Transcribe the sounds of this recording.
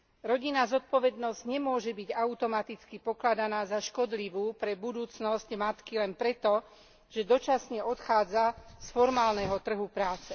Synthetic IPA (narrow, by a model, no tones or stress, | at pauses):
ɾɔɟinazɔt̪̚pɔʋɛd̪nɔzɟɲɛmʊɔʒɛbiɟaut̪ɔmat̪it͡skipɔklad̪anaːzaʃkɔd̪liʋuːpɾɛbud̪uːt͡snɔscmat̪kilɛnpɾɛt̪ɔ | ʒ̥ɛd̪ɔt͡ʃasɲɛɔt̪xaːd͡zasfɔɾmaːlnɛɦɔt̪r̩ɦupɾaːt͡sɛ